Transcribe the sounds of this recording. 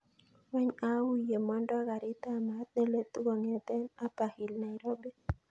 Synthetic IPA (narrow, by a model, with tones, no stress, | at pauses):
wa˦ɲa˦wi˨je˨ma˦ndo˦a˦ɣa˨ɾi˦t̪a˦˨ma˦t̪̚ne˦le˦t̪u˦wa˨ŋe˦t̪e˦na˦pa˨hi˨lna˨iɾo˦be˦